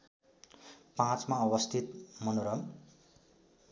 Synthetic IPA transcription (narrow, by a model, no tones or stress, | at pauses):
pãt͡smaʌβʌst̪ʰit̪mʌnoɾʌŋ